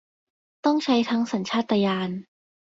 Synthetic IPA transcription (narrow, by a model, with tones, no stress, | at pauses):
t̪ɔ˥˩ŋt͡ɕʰa˦˥jt̪ʰa˦˥ŋsa˩˦nt͡ɕʰaː˥˩t̪ːa˧jaː˧n